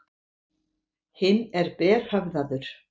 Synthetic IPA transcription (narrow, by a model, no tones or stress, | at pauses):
hɪnːɛɾpɛːr̥havðaðʏɾ̥